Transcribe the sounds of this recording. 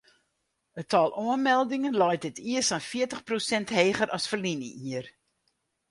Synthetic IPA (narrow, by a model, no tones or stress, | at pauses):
ətʰɔlˠʔuənmɛlˠdɪŋənlɔjt̚dɪtʰiəsanfiətəχprosɛntɦeːɣəɾʔɑsfərlinəiər